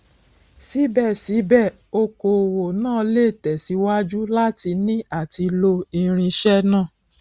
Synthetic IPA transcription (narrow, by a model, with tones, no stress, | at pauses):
si˨˦bɛ˦˨si˨˦bɛ˦˨ | o˧ko˨wo˨nãː˦˨le˦˨tɛ˨si˨˦wa˦d͡ʒu˦la˦ti˧nĩ˦a˦˨ti˧lo˧i˧ɾ̃ĩ˧ʃɛ˦nãː˦˨